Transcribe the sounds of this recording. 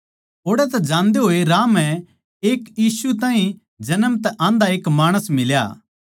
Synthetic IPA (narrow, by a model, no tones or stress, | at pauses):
oːɽɛt̪ɛd͡ʒãːnd̪eɦoːeɾaːmɦɛ̃ | eːkjiːsut̪̬ãːɦĩ | d͡ʒɐnəmt̪ɛʔãːnd̪aeːkmaːɽ̃əsmɪlja̰ː